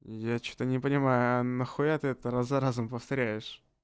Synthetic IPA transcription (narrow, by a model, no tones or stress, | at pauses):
jat͡ɕu̥t̪ənʲɪpənʲɪmajʊɐnɐxojat̪ɨɛt̪əɾazɐɾazʊmpəft̪ɐɾʲæjɪʂ